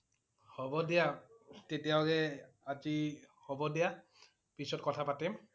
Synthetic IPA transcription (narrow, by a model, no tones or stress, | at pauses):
hɔbɔdijatetijawkɛ | azihɔbɔdija | pisɔt̚kɔtʰapatɛm